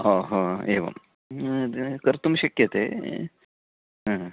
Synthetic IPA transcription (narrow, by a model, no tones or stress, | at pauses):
oːɦoːeːʋɐ̰m | kɐɾt̪umɐɕɐkjɐt̪eː | ɦ